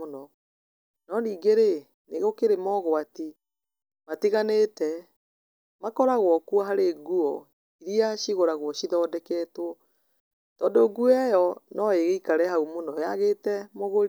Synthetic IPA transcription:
onɔ | nɔndiːɡeɾe | neɣokeɾemɔɣɔati | matiɣanetɛ | makɔɾaɣwɔkwaɦaɾeːɡuɔ | iɾiaʃiɣoɾaɣwɔʃiðɔːdɛkɛtwɔ | tɔːndoɡuɛjɔnɔeɣeikaɾɛhaumonɔjaɣetɛmoɣoɾi

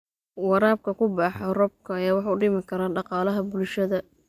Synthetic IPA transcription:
wɑɾaːb̚kʰɐkʰʊbɑːħɐrɔb̚kʰɐjaːwɑħɑʊɖɪmɪkʰɐɾaːɖɑqɑːlɐɦɐbʊlʃɐðɐ

